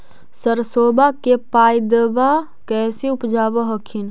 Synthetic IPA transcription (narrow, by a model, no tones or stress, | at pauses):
səɾsoːbakepaːjd̪eba | kɛːseʊpd͡ʒaːbəɦəkʰin